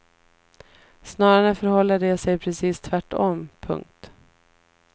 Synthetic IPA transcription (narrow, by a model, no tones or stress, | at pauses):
snɑːɾaɾəfœɾhɔlːaɖɛsɛjpʰɾɛsiːst̪ʰvæʈːɔmpʰɵ̰ŋk̚t̪